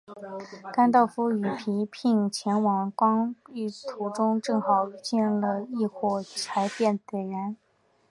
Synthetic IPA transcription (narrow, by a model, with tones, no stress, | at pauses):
ka˥nt̪̬ɑ˥˩ʊfu˥y˨˩pʰi˧˥pʰi˥˩ŋt͡ɕʰjɛ˧˥nwɑ˨˩ŋkwɑ˥ŋy˥˩t̪ʰu˧˩ʈ͡ʂʊ˥ŋʈ͡ʂɤ˥˩ŋxɑ˨˩ʊt͡ɕi˥˧n˧lə˩i˥˧xwɔ˥˩t͡sʰa˧˥ɪpjɛ˥˩nt̪ɛ˨˩ɥɛ˧˥n